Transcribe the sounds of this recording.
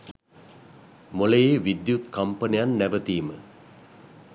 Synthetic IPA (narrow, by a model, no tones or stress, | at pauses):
molejeʋid̪jut̪kɐmpənejanːæʋət̪iːmə